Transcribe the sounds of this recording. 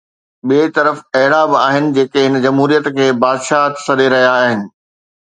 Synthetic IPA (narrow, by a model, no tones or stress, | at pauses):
ɓiet̪ɐɾəfɐɦɪɽabɪaːɦɪnɪ̆d͡ʑeːkeɦɪnəd͡ʑɐmɦuːɾijət̪kʰeːbaːd̪ʃaːɦt̪sɐɗeɾɐɦijaːɦɪnɪ̆